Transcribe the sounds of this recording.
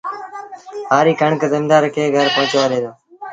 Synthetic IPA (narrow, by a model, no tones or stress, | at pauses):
ɦaːɾiːkəɳkəd̪əmd̪aːɾkʰeːɡʱəɾpəɦʊ̃t͡ʃʋaːɾeːd̪oː